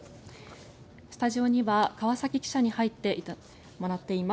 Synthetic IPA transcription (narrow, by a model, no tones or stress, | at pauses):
sɨ̥t̪aʑio̞ɲ̟iβakaβasakʲikʲi̥ɕaɲ̟ihait̪ːe̞ | mo̞ɾat̪ːe̞ima